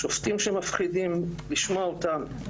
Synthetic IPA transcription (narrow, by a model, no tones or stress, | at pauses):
ʃoft̪imʃemafχidimliʃmoaot̪am